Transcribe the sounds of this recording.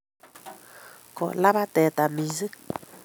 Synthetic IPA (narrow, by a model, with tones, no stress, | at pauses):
ko̰˨la˦ba˦t̪e˨t̪a˨mi˧zɨ˦